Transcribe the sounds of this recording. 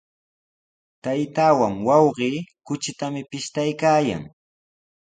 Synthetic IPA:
t̪ajt̪aːwaŋwɑwɢiːkʊt͡ʃɪt̪amɪpɪʃt̪ajkaːja̰ŋ

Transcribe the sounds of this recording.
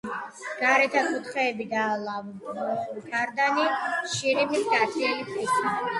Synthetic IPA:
ɡ̥aɾɛt̪ʰakʼut̪ʰχɛːbid̪aːlavɔχulkʰaɾd̪aniʃiɾimisɡat̪ʰilipʰʼisʰa

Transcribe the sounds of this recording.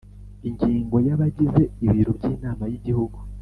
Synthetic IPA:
iɲɟiːŋɡo̞jaβaɟize̞iβiːɾubɟiːnaːmajiɟihuɡu

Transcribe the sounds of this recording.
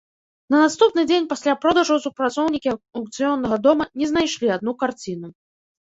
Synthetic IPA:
nɐnast̪upnɨd͡zʲenʲpasʲlʲapɾɔd̪ɐʐusupɾat̪sɔwnʲikʲiawk̚t̪sɨjɔnːɐɣɐd̪ɔmɐnʲɛzn̪ajʂlʲiad̪nukart͡sʲinu

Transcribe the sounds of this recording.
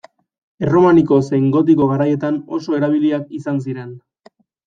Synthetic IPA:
ero̞maniko̞seŋɡo̞t̪iko̞ɣaɾaje̞t̪ano̞̰so̞e̞ɾaβ̞iliakisans̬iɾe̞n

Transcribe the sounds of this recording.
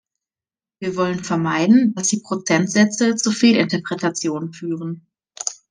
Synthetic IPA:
viːɐvɔlənfɛɐmaɪdn̩d̥asd̥iːpʁ̥ot͡sɛntz̥ɛt͡sət͡suːfeːlɪntɐpʁ̥ɛtat͡sjoːnənfyːʁən

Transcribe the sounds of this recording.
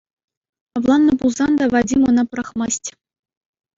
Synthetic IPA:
ɑvlˠɑnːɤ̆bulˠzɑnd̪ɑvɑdʲimŏnɑpɾɑχmɑsʲtʲ

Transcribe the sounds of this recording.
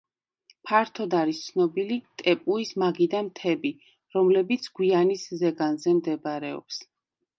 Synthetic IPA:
pʰaɾt̪ʰɔd̪aɾist̪sʰnɔbilit̪ʼɛpʼuismaɡid̪amt̪ʰɛbi | ɾɔmlɛbit̪sʰɡ̥wianiszɛɡanzɛmd̪ɛbɾɛɔ̰ps

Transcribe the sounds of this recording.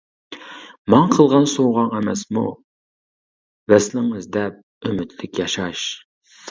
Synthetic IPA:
mɑŋqʰəlˠʁɑnsowʁɑŋɛmɛsmṵ | vɛslɪŋɨzd̪ɛp̚ | ymɪt̪lɪkʲjɑʃɑʃ

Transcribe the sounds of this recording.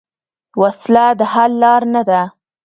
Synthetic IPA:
waslad̪əhalːɑɾnad̪a

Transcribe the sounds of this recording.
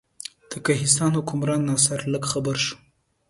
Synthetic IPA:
d̪̥əkaɦɪs̬t̪ɑnhʊkʊmɾɑnːɑsaɾləɡxabəɾʃu̥

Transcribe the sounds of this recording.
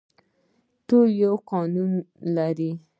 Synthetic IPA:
t̪ojawqɑnunlaɾi

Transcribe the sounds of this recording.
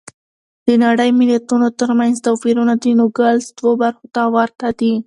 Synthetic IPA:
d̪̥ənaɽəjmɪlat̪unot̪əɾmanzt̪afiɾunad̪inoɡalsd̪̥wobaɾxot̪awaɾt̪ad̪i

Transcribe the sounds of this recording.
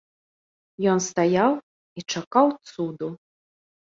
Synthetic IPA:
jɔnst̪ajaw | it͡ʂakawt̪sud̪u

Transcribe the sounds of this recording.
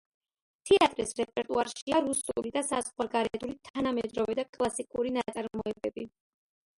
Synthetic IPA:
t̪ʰɛat̪ʼɾisɾɛpʼɛɾt̪ʼuaɾʃiaɾusulid̪asazχwaɾɡaɾɛd̪ulit̪ʰanamɛd̪ɾɔvɛd̪akʼlˠasikʼuɾinat̪sʼaɾmɔɛbɛbi

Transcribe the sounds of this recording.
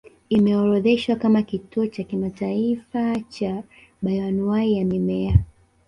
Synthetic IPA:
imɛɔɾɔðɛʃwakamakituɔt͡ʃakimataifat͡ʃa | ɓajanuwaijamimɛa

